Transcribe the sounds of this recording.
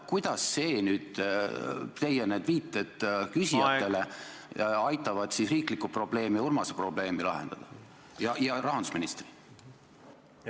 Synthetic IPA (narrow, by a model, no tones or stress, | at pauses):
kujd̪̥ɑsːe̞ːnyːd̪̥ | t̪e̞jened̪̥viːt̪ːˑed̪̥kysijɑt̪ːe̞le̞ | ɑjt̪ːˑɑvɑd̪̥sisriːklikupro̞b̥le̞ːmiurmɑsepro̞b̥le̞ːmilɑ̰ɦe̞̰nd̪̥ɑd̪̥ɑ | jɑjɑɾɑɦɑnd̪u̥sminist̪ri